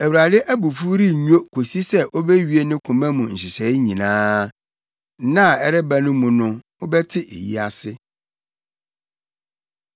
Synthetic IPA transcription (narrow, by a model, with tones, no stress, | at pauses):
æ˨wu˨ɾa˨dɪ˦ʔæ˦bu˨fu˦ɾi˦ɲᶣ˦o˦kʰo˨si˦sɛ˦ʔo˦bɛ˦ɥi˨˦e˦nɪ̃˦kʰʊ̃˨mɛ̃˦mũ˨ɲ̩˨ɕɪ˨ɕɛ˨i˦ɲĩ˨nãː˦ | nã˦˨ɛ˦ɾɛ˦bæ˨nʊ̃˦mũ˨nʊ̃˦ | ʊ˦bɛ˦tʰɪ˦ʔḛ˨jḭ˦a˨sɪ˦